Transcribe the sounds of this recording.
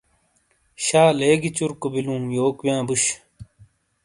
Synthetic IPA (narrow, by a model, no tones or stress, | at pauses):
ɕaːleːɡit͡ɕuɾkobilũːjoːkwjãːbuɕ